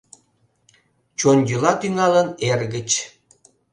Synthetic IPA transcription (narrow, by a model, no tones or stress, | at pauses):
t͡ɕonʲjylɑt̪yŋɑlənerɣət͡ɕ